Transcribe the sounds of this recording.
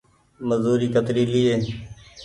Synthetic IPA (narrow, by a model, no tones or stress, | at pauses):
məzuːɾiːkət̪ɾiːliːeː